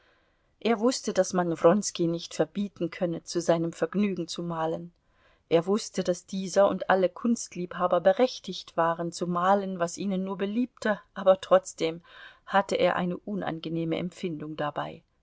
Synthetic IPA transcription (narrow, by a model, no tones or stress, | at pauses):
ʔeːɐvʊstədasmanvʁɔnskinɪçtfɛɐbiːtn̩kʰœnət͡suzaɪnəmfɛɐɡnyːɡŋ̩t͡sumaːlən | ʔeːɐvʊstədasd̥iːzɐʊntʔaləkʰʊnstliːphaːbɐbəʁɛçtɪçtv̥aːʁ̞ənt͡sumaːlənvasʔiːnənːuːɐbəliːp̚tʰəʔaːbɐtʁ̥ɔt͡sd̥eːmhatəʔḛːɐʔa̰ɪnəʔʊnʔa̰nɡəneːməʔɛ̰mfɪndʊŋdaba̰ɪ